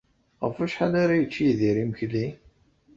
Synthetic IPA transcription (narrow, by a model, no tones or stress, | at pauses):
ʁəfæʃħalaɾajət͡ʃːiðiɾiməçli